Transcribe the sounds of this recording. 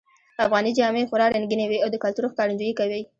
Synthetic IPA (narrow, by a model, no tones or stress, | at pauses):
afɣɑnid͡ʒɑmexʊɾɑɾaŋɡinewiawd̪əkalt̪uɾoxkɑɾand͡ʒujikawi